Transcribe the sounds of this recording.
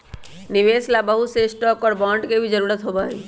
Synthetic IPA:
nɪʋeːslabəɦut̪seɪsʈɔːkɔːɾbãːɳɖkebʱid͡ʒəɾuːɾət̪ɦobaɦḭ

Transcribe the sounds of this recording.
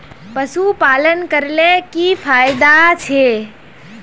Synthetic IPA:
pəsupalənkəɾlekipʰajd̪at͡ʃʰe

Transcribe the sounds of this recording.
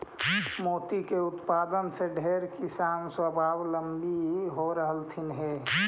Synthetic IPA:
moːt̪ikeʊt̪paːd̪ənseɖʱeːɾkisaːnswəbʱaːwləmbiɦoɾəɦəlt̪ʰɪnɦɛː

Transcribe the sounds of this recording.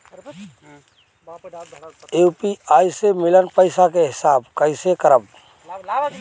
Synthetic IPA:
eːpiaːisemɪlənpəɪsakeɦɪsaːbkəɪsekəɾəb̚

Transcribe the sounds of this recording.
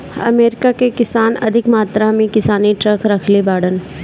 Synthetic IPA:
ɐ̰meːɾɪkakekɪsaːnɐ̰d̪ʱɪkmaːt̪ɾamẽkɪsaːniʈɾɐkʰɾɐkʰlebaːɽən

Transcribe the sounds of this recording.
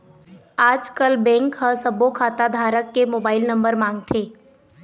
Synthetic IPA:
aːd͡ʒkəlbɛ̃ːŋkɦəsɐbokʰaːt̪ad̪ʱaːɾəkːemoːbaːɪlnɐ̃mbəɾmãːŋɡ̚t̪ʰeː

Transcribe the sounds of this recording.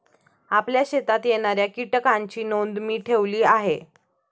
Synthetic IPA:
apljaɕet̪at̪jeɽ̃aɾjakiʈəkaɲt͡ɕiːnond̪miːʈʰeʋliːaɦe

